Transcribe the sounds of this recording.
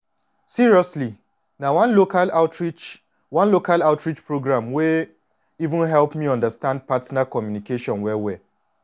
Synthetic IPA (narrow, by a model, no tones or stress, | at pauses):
siɹiɔsli | nawãnlokalaʊtʰɹit͡ʃ | wãnlokalaʊtɹit͡ʃpɹoɡɹãmwe | ivũnɦɛlpmiɔ̃ndastãnd̚patnakɔmjunikeʃɔ̃nwɛwɛ